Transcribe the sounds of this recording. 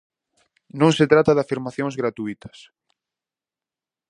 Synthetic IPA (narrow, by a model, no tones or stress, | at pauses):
nõŋset̪ɾat̪aðafiɾmaθjõŋzɣɾat̪uit̪ɐ̥s